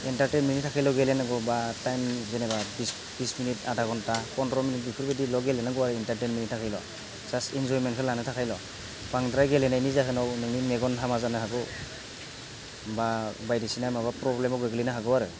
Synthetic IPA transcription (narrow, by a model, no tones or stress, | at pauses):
intaɾtɛnminitʰakʰajlɔɡelenaɡɔbatajmzenebabis | bisminitadaɡɔntakɔntɾɔminit̚bikʰɯɾbedilɔɡelɛnaɡɔwaɾɯintaɾtenminit̚ʰakʰajlɔ̰ | z̥astind͡ʒɔɾimentkʰɯlanɯtʰakʰajlɔ | paŋdɾajɡelenajnizaɦɯnɔwnɯŋnimeɡɔnɦamazanɯɦaɡɔw | babajdisinamabapɾɔblemɔɡɯɡɯlinaɦaɡɔwaɾɯ